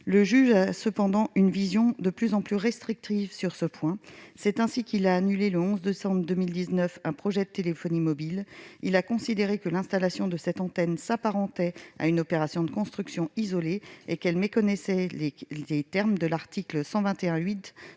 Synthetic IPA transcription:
ləʒyʒasəpɑ̃d̪ɑ̃ʔynvizjɔ̃d̪əplyzɑ̃plyʁɛst̪χik̚t̪ivsyʁsəpwɛ̃sɛt̪ɛ̃sikʲilaːnyleləɔ̃zd̪esɑ̃bʁd̪ømild̪iznœfɛ̃pχɔʒɛd̪ət̪elefɔnimɔbililakɔ̃sid̪eʁekəlɛ̃st̪alasjɔ̃d̪əsɛt̪ɑ̃t̪ɛnsapaʁɑ̃t̪ɛa̰ynɔpeʁasjɔ̃d̪əkɔ̃st̪χyksjɔ̃izɔleekɛlmekɔnɛsɛ | et̪ɛʁmd̪əlaʁt̪ikləsɑ̃vɛ̃t̪eɛ̃ɥit̪

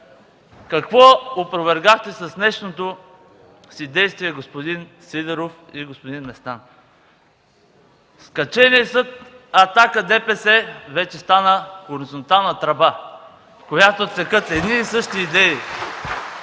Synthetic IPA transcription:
kɐkvɔopɾovɛɾɡaxt̪ɛsɐsnɛʃnot̪o | sid̪ɛjst̪viɛɡospod̪in | sid̪ɛɾof | iɡospod̪inːɛst̪an | skɐt͡ʃɛniɛsɤt̪̚ | ɐt̪akəd̪ɛpɛsɛvɛt͡ʃɛst̪anəxoɾizont̪alˠnət̪ɾɐba | kojat̪ot̪sɛkɤt̪ɛd̪niːsɤʃt̪iːd̪ɛi

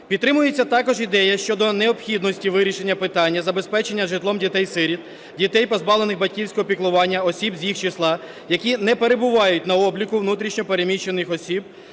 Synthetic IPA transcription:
pʲid̪t̪ːɾɪmʊjet͡sʲːɐt̪ɑkɔʒid̪ɛjɐʃt͡ʃɔd̪ɔneɔpxʲid̪nɔsʲtʲiʋɪɾʲiʃe̞nʲːɐpɪt̪ɑnʲːɐzɐbe̞spɛt͡ʃe̞nʲːɐʒɪt̪lˠɔmdʲit̪ɛjsɪɾʲit̪̚ | dʲit̪ɛjpɔzbɑʋlˠe̞nɪɣbɐt̚ʲkʲiwsʲkɔɦɔpʲiklˠʊʋɑnʲːɐɔsʲibzʲjixt͡ʃɪslˠɑ | jɐkʲinɛpeɾebʊʋɑjʊtʲn̪ɐɔblʲikʊʋnut̪ɾʲiʃnʲɔpeɾemʲiʃt͡ʃːe̞nɪxɔsʲib̚

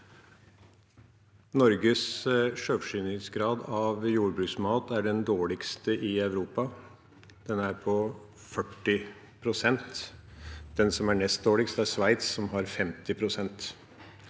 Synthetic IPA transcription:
nɔɾɡəsʂøːʋʂyːnɪet̪sɡɾɑːd̪ɑʋjuːɾbɾʉːksmɑːt̪æɖɛnd̪oːɭɪkst̪əʔɪɑʉɾuːpɑ | d̪̥ɛnæɾpʰɔ | fœʈːɪ | pʰɾʊsɛnt̪ | d̪̥ɛnsɔmæɳɛst̪̚d̪oːɭɪkst̪əæʂʋæɪt̪sːɔmɦɑɾfɛmt̪ɪpʰɾʊsɛnt̪

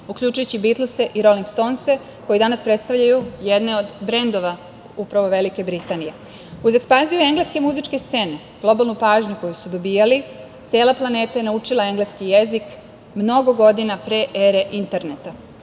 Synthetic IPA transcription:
uklʎʲut͡ʃujut͡ɕibit̪luse̞ʔiɾo̞liŋɡst̪o̞nse̞ | ko̞jid̪anaspɾe̞t̪st̪aʋʎajujed̪ne̞od̪bɾe̞nd̪o̞ʋa | upɾaʋo̞ʋe̞like̞bɾit̪anije̞ | uzekspanzijue̞ŋɡleske̞muzit͡ʃke̞st̪se̞ːne̞ | ɡ̥lˠo̞balnupaːʒɲuko̞jusud̪o̞bijalit̪se̞ːlˠaplˠane̞ːt̪aje̞naut͡ʃilae̞ŋɡleskijezik | mno̞ɡo̞ɡo̞d̪inapɾe̞ʔeɾe̞ʔint̪e̞ɾnet̪a

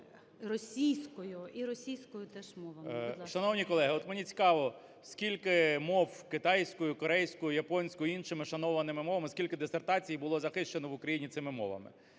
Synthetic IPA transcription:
rɔsʲijsʲkɔjʊiɾɔsʲijsʲkɔjʊt̪ɛʃmɔʋɐʃɐnɔwnʲikɔlˠɛɦɪɔt̪menʲit͡sʲi̥kɑʋɔ | sʲkʲilʲkɪmɔwkɪt̪ɑjsʲkɔjʊkɔɾɛjsʲkʊjʊjɐpɔnʲsʲkʊinʃɪmɪʃɐnɔʋɐnɪmɪmɔʋɐmɪskʲilʲkɪd̪esert̪ɑt͡sʲijbʊlˠɔzɐxɪʃt͡ʃenɔʋʊkɾɐjinʲit̪sɪmɪmɔ̰ʋɐ̰mɪ̰

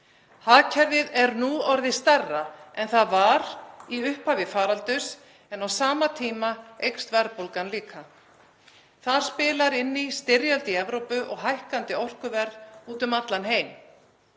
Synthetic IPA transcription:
haːcʰɛɾvɪðɛɾnuɔɾðɪst̪ɛrːaɛnθaðvaɾiʏhphaːvɪfaːɾalt̪ʏs | ɛnawsaːmat̪ʰiːmaejkst̪vɛɾpowlkanliːkʰa | θaɾ̥spɪːlaɾɪnːist̪ɪɾjalt̪ɪɛvɾowpʏʔɔɣɦajhkant̪ɪɔr̥kʏvɛɾðuːt̪ʏmat̪lanɦeːjm

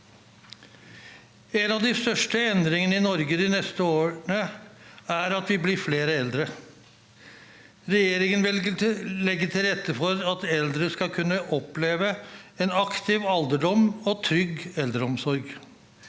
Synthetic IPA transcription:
enɑʋd̪ɪst̪œʂʈəɛnd̪ɾɪŋənəɪnɔɾɡəd̪ɪnɛst̪əoːɳə | æɾɑt̪ʋɪbliːfleːɾəɛld̪ɾə | ɾɛjeːɾɪŋənʋɪllɛɡːət̪ʰɪlɾɛt̪ːəfɔɾɑt̪ɛld̪ɾəskɑkʰʉnːəʔɔpleːʋəɛnɑkt̪ʰɪʋɑld̪əɖɔmɔt̪ʰɾʏɡɛld̪əɾɔmsɔɾɡ

